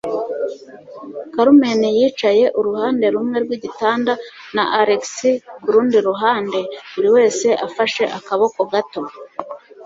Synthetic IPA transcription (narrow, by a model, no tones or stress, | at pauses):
kaɾume̞nijiːt͡ʃaje̞ʔuɾuhaːnde̞ɾumŋe̞ɾɡwiɟitaːnda | naʔaɾeksiuɾuːndiɾuɦaːnde̞βuɾiwe̞ːse̞ʔafaʃe̞ʔakaβo̞ko̞ɡato̞